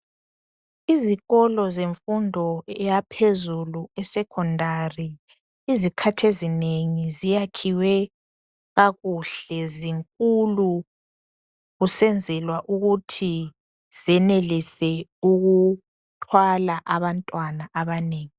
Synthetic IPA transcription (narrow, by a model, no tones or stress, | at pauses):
iziɣɔlɔzeɱfundʱɔɛjapʰezuluɛsɛkʰɔndʱari | izikʰatʰezineŋizijakʰiwɛ | ɣaɣuɬɛziŋkʼulu | ɣusɛnd͡zʱɛlwaʔuɣutʰi | z̥ɛnelisɛuɣu | tʰwalaʔaβantʼwanaʔaβaneːŋi